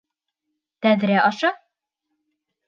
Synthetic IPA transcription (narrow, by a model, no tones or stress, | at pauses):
t̪æðɾæʔɒʃɑ